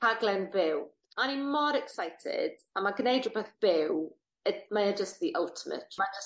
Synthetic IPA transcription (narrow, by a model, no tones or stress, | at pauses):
aɡlˠɛnbɪw | animɔɾɛksajtʰɪ̰d̥amaɡnejdʊbeθb̥ɪw | əmaad͡ʒəst̚ðiʔəlˠtʰəmə̰tʰmad͡ʒəs